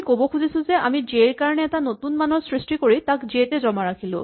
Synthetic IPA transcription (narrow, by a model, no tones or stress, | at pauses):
kobɔkʰuzisʊ̃zɛʔamizeɹkaɹɔnɛːtanotunmanɔsɹisʈikoɹitakzetɛzɔmaɹakʰilʊ̰̃